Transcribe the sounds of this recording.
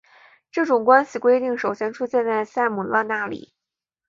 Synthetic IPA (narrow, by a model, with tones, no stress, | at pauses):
ʈ͡ʂɤ˥˩ʈ͡ʂʊ˨˩ŋkwa˥nɕi˨˩kwe˥ɪt̪i˥˩ŋʂo˨˩ʊɕjɛ˥nʈ͡ʂʰu˥ɕɛ˥˧nt͡sa˥˧ɪsa˥˩ɪmu˨˩lə˧na˥˩lḭ˨˩˦